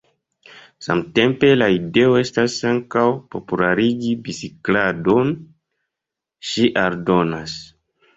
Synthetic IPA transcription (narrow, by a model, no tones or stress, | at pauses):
sa̰mte̞mpe̞laide̞o̞e̞stasaŋkawpo̞pulaɾiɡibisiklado̞n | ʃiʔaɾdo̞nas